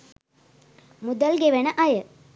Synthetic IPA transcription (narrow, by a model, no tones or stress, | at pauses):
mud̪ɐlɡeʋɐnəʔɐjə